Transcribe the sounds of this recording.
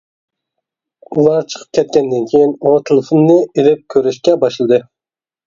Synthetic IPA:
ulˠɑɾt͡ʃʰə̥qʰə̥p̚kʲʰɛt̪̚kʲɛnd̪ɪnkʲʰejinot̪ʰɨlˠɨfɨnːɨilɪp̚kʲʰøɾyʃkʲɛbɑʃlˠɨd̪ɨ

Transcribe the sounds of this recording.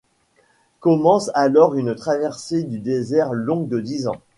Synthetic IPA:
kɔmɑ̃salɔʁynt̪χavɛʁsed̪yd̪ezɛʁlɔ̃ɡ̚d̪əd̪izɑ̰̃

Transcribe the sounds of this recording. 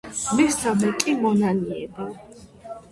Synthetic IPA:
mist̪ʰamɛkʼimɔnaniɛ̰bi

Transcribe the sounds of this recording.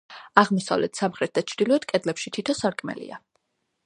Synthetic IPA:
aʁmɔsa̰vlɛt̪ʰsamχɾɛt̪̚d̪at͡ʃʰɾd̪ilˠɔɛd̪̚kʼɛd̪lɛpʃit̪ʰit̪ʰɔsaɾkʼmɛ̰lḭa̰

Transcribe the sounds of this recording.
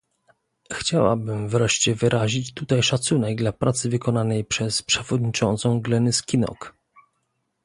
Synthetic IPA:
xt͡ɕawa̰bɘmvɾɛʂt͡ɕɛvɘɾʔaʑit͡ɕt̪ut̪ajʂat̪sunɛɡ̚d̪lapɾʔat̪sɘvɘkɔnanɛjpʂɛspʂɛvɔd̪ɲit͡ʂɔnt̪sɔ̃w̃ɡlɛnɘskʲinɔ̰k

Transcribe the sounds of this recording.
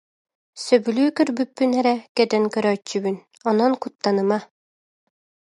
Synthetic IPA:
sœbylyːkœɾbypːynɛɾɛkɛd̪ɛnkœɾœːt͡ɕːybyn | ɔnɔnkut̪ːanɯma

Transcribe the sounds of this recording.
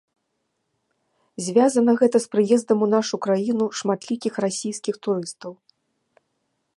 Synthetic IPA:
zʲvʲazɐnɐɣɛt̪ɐspɾɨjɛzd̪ɐmun̪aʂukɾajinuʂmat̪lʲikʲixrasʲijskʲixt̪uɾɨst̪ɐw

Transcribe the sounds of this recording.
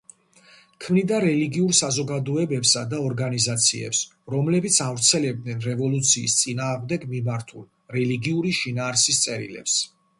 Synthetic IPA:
kʰmnid̪aɾɛliɡiuɾsazɔɡad̪ɔɛbɛpsad̪aɔɾɡanizat̪sʰḭɛ̰ps | ɾɔmlɛbit̪sʰavɾt̪sʰɛlɛb̚d̪nɛnɾɛvɔlˠut̪sʰiːst̪sʼinaːʁmd̪ɛɡmimaɾt̪ʰul | ɾɛliɡiuɾiʃinaːɾsist̪sʼɛɾḭlɛ̰ps

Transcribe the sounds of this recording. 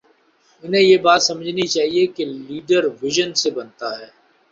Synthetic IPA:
ʊnɦẽjebaːt̪sɐməd͡ʒʱnit͡ʃaːɦiekeliːɖəɾʋɪʒənsebɐnt̪aɦɛː

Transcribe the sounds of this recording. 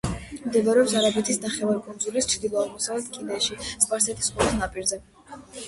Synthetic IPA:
md̪ɛvaɾɛɔpsaɾabɛt̪ʰisnaχɛvaɾikʼund̪zulist͡ʃʰɾd̪ilˠɔaʁmɔsavlɛt̪ʰkʼinɛʃispʼaɾsɛt̪ʰʼi̥skʼɔɾˠt̪ʰnapʼiɾzɛ

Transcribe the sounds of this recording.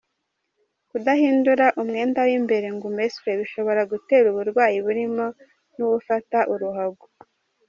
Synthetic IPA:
kudahiːnduɾaʔumŋe̞ːndawimbe̞ɾe̞ŋɡumeswe̞βiʃo̞βo̞ɾaɡute̞ːɾuβuɾɡwaːjiβuɾimo̞ | nuwufataʔuɾuɦaɡu

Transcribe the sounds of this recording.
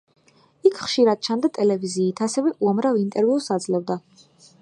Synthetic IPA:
ikʰχʃiɾad̪̚t͡ʃʰand̪at̪ʼɛlɛviziːt̪ʰasɛvɛʔuamɾavint̪ʼɛɾviusad̪zlˠɔvd̪a

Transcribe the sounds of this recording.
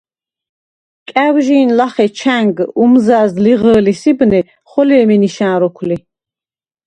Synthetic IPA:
kʼæwʒiːnlaχɛt͡ʃʰæŋɡumzaːzliʁəːlisibnɛ | χɔlɛːmɛniʃãːɾɔkʰli

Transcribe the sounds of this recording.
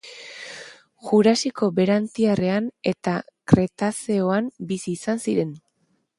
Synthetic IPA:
ʝuɾasiko̞be̞ɾant̪iare̞ane̞t̪akɾe̞t̪aseo̞ambisiːsansiɾe̞n

